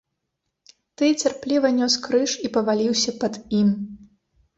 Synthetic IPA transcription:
t̪ɨt͡sʲarplʲivɐnʲɔskɾɨʂipɐvalʲiwsʲɐpɐd̪im

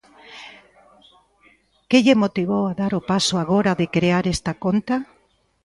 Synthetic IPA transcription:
keʎemot̪iβ̞owaðaɾʊpasʊaɣ̞oɾaðɪkɾeaɾest̪akont̪a

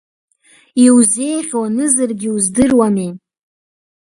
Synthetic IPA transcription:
iwze̞jχʲwanɨzɨrɡʲiuzdɨrwami

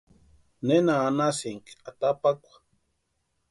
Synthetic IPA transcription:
nenaːnasiŋkat̪apakʷḁ

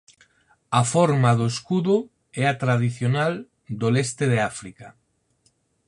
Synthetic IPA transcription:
afɔɾmaðoeskuðʊ | ɛat̪ɾað̞iθjonal | d̪olest̪ɪðeafɾika

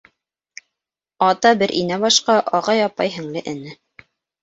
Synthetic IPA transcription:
ɑt̪ɑbɘɾʔḭnæβɑʃqɑʔɑʁɑjɑpɑjɦɘ̆ŋlɘʔɘ̆nɘ

